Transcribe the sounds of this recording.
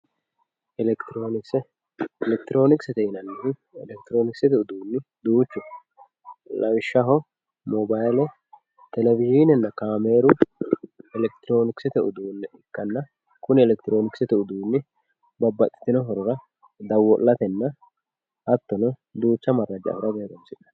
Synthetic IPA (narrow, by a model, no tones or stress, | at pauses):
ʔɛlɛkt̪ɾoːnɪksɛ | ɛlɛkt̪ɪɾo̞ːnɪksɛt̪ɛhɪnɐnːɪɪnɛlɛk̚t̪ɪɾo̞ːnɪksɛt̪ɛʊd̪uːnːɪd̪uːt͡ʃːʊ | lɐwɪʃːɐɦɔ | mɔbajlɛ | t̪ɛlɛvɪʒinɛnːɐkaːmeːɾʊ | ɛlɛkt̪ɪɾo̞ːnɪksɪt̪ɛʊ̰d̪uːnːɛɪkːɐnːɐ | kʊnɪɛlɛkt̪ɪɾo̞ːnɪksɛt̪ɛʊd̪uːnːɪ | bɐbːɐt̪ʼːɪ̥t̪ːɪnɔɦɔɾɔɾɐ | d̪ɐwːɔlːɐt̪ɛnːɐ | ʔɐt̪ːɔnɔd̪uːt͡ʃːɐmɐrːɐd͡ʒɐɐ̰fɾɐbeːɡɐmsɪᶑɐ̥